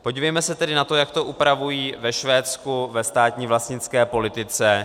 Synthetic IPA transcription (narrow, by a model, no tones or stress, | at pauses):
poɟiːvɛjmɛsɛt̪ɛdɪnat̪o̞jakt̪o̞ʔupɾavujiːvɛʃvɛːt͡skuvɛst̪aːt̪ɲiːvlast̪ɲɪt͡skɛːpo̞lɪt̪ɪt͡sɛ